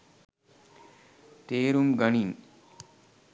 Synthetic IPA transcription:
teːɾumɡɐniŋ

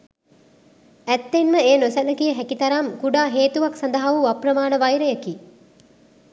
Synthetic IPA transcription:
æt̪ːenməejənosæləkijəɦɛkit̪ɐɾamkuɖaːɦeːt̪uʋaksand̪ɐɦaʋuaprəmaːnəʋajɾəjəki

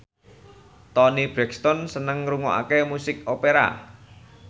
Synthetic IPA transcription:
t̪ɔnib̥ɾɛkst̪ɔnsənəŋɾuŋoʔa̰kemusɪkopeɾa̰

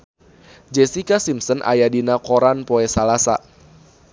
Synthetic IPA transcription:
d͡ʒɛsikasimsənʔa̰jadinakoɾanpɔɛsalasa̰

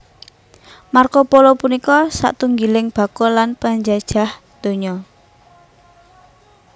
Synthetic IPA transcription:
markɔpolɔpunikɔsa̰ʔt̪uŋɡilɪŋb̥a̤kɔlanpaɲd͡ʒad̥ʒ̥a̤h | d̪̥o̤ɲɔ

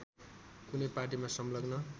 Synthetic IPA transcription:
kunʌjparʈimasʌmlʌɡnʌ

